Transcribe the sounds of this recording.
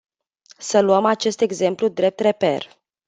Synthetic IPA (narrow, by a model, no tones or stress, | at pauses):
səluəmat͡ʃe̞st̪e̞ɡze̞mplud̪ɾe̞p̚t̪re̞pe̞̰r